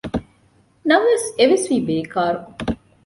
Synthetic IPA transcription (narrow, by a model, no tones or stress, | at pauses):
nɐʋʋeseʋesʋiːbeːkaːɾu